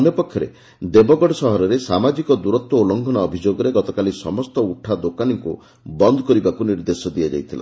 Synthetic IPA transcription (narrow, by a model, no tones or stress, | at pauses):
ɔnjɔpɔkʰjɔɾḛ | d̪ebɔɡɔɖɔsɔɦɔɾɔɾesamad͡ʒikɔd̪uɾɔt̪wɔulɔŋɡʱɔnaɔbʱid͡ʒoɡɔɾeɡɔt̪ɔkalisɔmɔst̪ɔuʈʰad̪okaniŋku | bɔnd̪ʱɔkɔɾibakuniɾd̪esɔd̪ijad͡ʒa̰jt̪ʰila̰